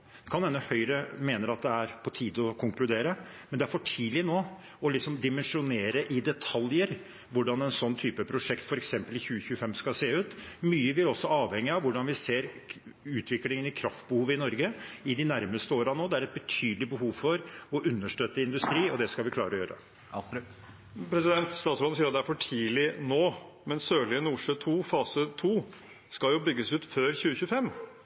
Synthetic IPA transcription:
kʰɑnɛnəhœʏɾəmeːnəɾɑt̪̚d̪ɛæɾpʰɔt̪ʰiːd̪ɔkʰʊŋklʉd̪eːɾə | mɛnd̪ɛæɾfɔʈʰiːlɪnoː | ɔlɪksɔmd̪ɪmɛnʂʊneːɾəʔɪd̪ɛt̪ʰɑljəɾ | ʋʊɖɑnɛnsɔnːt̪ʰyːpəpʰɾʊʂɛkt̪fɔɾɛksɛmpəlɪçʉːəçʉːəfɛmskɑseːʉːt̪myːəʋɪɾɔsːɔɑːʋhɛŋːɪɑʋʋʊɖɑnʋɪseːɾ | ʉːt̪ʰʋɪklɪŋənɪkʰɾɑft̪̚bəhuːʋəɪnɔɾɡəɪd̪ɪnæɾməst̪əoːɾɑnoːd̪ɛæɾɛt̪̚bət̪ʰyːd̪lɪbəhuːʋfɔɾɔʔʉnːəʂʈøt̪ːəɪnd̪ʉst̪ɾiːɔd̪ɛskɑlʋɪkʰlɑːɾəɔjøːɾə̰ | pʰɾɛsɪd̪ɛnt̪st̪ɑːt̪sɾɔnsiːɾɑt̪d̪ɛæɾfɔʈʰiːlɪnoː | mɛnsøːɭɪənuːʂøːt̪ʰuːfɑːsət̪ʰuː | skɑljʊbʏɡːəsʉːt̪føːɾçʉːəçʉːəfɛmː

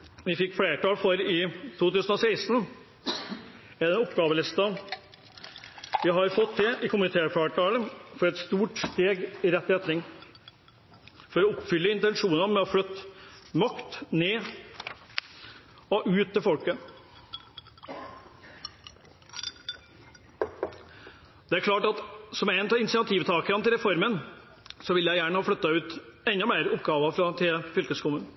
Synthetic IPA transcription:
ʋɪfɪkːfɽeːʈɑːlfɔɾɪt̪ʰuːt̪ʉːsən̩ɔseɪsn̩ | ɛd̪ɛnɔpɡɑːʋəlɪst̪ɑ | ʋɪɦɑɾfɔt̪ʰːɪʔɪkʊmɪt̪ʰeːfeːʈɑːləfɔɾɛt̪st̪uːʈst̪eːɡɪɾɛt̪ːɪɛt̪ʰːɾɪŋː | fɔɾɔɔpːfʏlːəɪnt̪ɛnʂuːnɑmɛɔflœt̪ːmɑkt̪neː | ɔʔʉːt̪̚ːɪlfɔlkə | d̪̥ɛæɾkʰlɑːʈɑt̪sɔmæɪnt̪ɑɪnsɪɑt̪ʰiːʋt̪ʰɑːkəɾɑnt̪ʰɪlɾɛfɔɾmən | sɔʋɪlːjæɪjæːɳəhɑːflœt̪ːɑʉːt̪ɛnːɔmæɪɾɔpɡɑːʋɑfɾɑt̪ʰeːfʏlkəskʰʊmʉːn

